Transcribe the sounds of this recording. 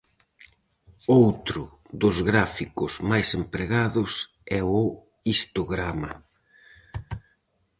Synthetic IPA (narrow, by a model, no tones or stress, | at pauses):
owt̪ɾʊ | ðʊzɣɾafikʊzmajsempɾeɣaðʊs | ɛʊ | ist̪oɣɾamɐ